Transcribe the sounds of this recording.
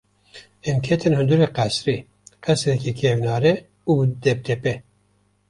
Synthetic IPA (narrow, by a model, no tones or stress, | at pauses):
ɛmkʰet̪ʰɨnhɨnd̪uɾeqæsɾi | qɛsɾɛkikʰevnɑːɾɛ | ubd̪ɛp̚d̪ʰɛpɛ